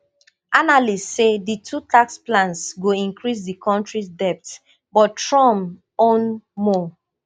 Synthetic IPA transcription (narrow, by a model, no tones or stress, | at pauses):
analisseditʰutʰaksplãnsɡoĩŋkɹis̬dikʰɔ̃ntɹisdɛp̚t | bɔttɹɔ̃m | õnmɔ